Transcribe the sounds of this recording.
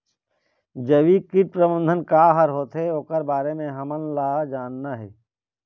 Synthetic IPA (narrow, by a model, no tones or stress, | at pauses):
d͡ʒəʋikiʈ̚pɾəbə̃nd̪ʱənkaːɦəɾɦoːt̪ɦeoːkəɾbaːɾemẽɦɐmənlaːd͡ʒaːnːaɦɛ̰ː